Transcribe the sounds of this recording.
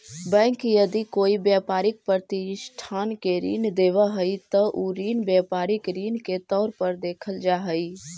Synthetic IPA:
bɛ̃ːŋkjəd̪ikoibjapaːɾɪk̚pɾəɾt̪isʈʰaːnkeɾḭːnd̪eʋəɦəit̪əʔuɾiːnbjapaːɾɪkɾiːnket̪ɔːɾpəɾd̪eːkʰəld͡ʒaɦəi

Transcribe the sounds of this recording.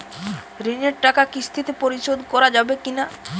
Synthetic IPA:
ɾineɾʈakakist̪ʰit̪epoɾiʃod̪ʱkɔɾad͡ʑabekina

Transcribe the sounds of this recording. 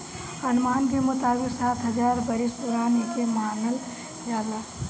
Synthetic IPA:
ɐnmaːnk̬emʊt̪aːbiksaːt̪ɦəd͡ʒaːɾbəɾist̪uɾaːnekemaːnəl | d͡ʒaːd̪aː

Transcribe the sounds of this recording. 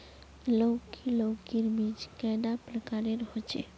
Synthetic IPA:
ləwkilokiɾmid͡ʒkajd̪apɾəkaɾeɾəɦɔt͡ʃɛ̰

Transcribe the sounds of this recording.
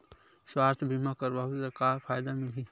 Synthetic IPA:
swaːst̪ʰbʱimakəɾbaɦud̪əɾkaɾpʰaːjd̪amɪlɦi

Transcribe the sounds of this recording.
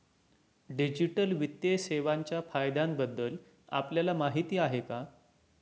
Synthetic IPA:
ɖid͡ʑiʈəlʋit̪jeseʋaɲt͡ɕjafajd̪ambəd̪ːəl | a̰pljalamaɦit̪iːaɦeka

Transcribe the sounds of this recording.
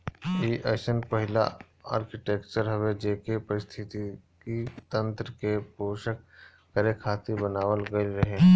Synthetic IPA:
iːʔeːʃənpɐɦɪla̰ | a̰ːɾkɪʈeːkt͡ʃəɾɦɐʋed͡ʒeːkepɐɾɪst̪ʰɪt̪i | kit̪ɐ̃nt̪ɾəkepoːʃəkː | əɾekʰaːt̪ibənaːwəlɡɐiɾɐɦe

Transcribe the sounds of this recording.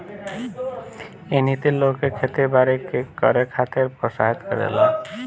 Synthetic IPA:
enit̪iɾlokekʰet̪ebaɾekekɔ̰ɾekʰat̪eɾpɾoʃa̰ɦit̪kɔ̰ɾḛla

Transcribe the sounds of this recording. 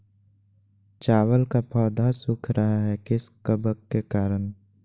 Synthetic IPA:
t͡ʃaːwəlkapʰɔːd̪ʱasʊkʰɾʔɐɦaɦɛkɪskəbəkːekaːɾən

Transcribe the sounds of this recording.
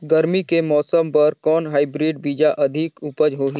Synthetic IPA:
ɡɐɾmikemɔːsəmpɐɾkɔːnɦaːɪbɾiːɖbiːd͡ʒaʔɐd̪ʱikʊpəd͡ʒɦoːɦi

